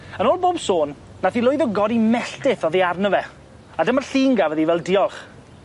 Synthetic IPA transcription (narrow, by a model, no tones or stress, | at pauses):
ənoːlˠboːbsoːn | naθilˠʊjðɔɡɔɾimɛɬtɪθɔðiarnəvɛ | adəmarɬiːŋɡavəðivɛlˠdiɔlˠχ